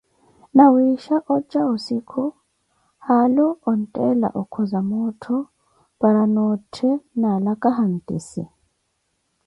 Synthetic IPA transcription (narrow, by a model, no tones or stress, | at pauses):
nɐwiːʃɐʔɔd͡ʒːɐɔsɪkʰɔ | haːlɔɔntʼeːlɐ̰ʔɔkʰːɔzɐmoːt̪ʰɔ | b̥ɐɾɐnoːtʰːɛnaːlɐkʼɐɦɐntʼɪsɛ